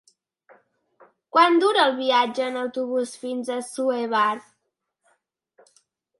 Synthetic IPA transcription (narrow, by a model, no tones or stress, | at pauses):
kwand̪uɾəːlˠβiad͡ʒəːnəwt̪uβusfinzəsueβaɾt̪